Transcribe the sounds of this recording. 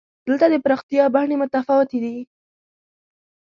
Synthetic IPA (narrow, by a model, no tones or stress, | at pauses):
d̪̥əlt̪ad̪əpɾɑxt̪ijɑbahɳemʊt̪afɑwɪt̪ed̪i